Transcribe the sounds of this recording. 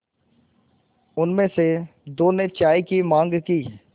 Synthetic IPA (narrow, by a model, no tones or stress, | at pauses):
ʊnmẽːsed̪oːneːt͡ʃaːiːkimãːŋɡkiː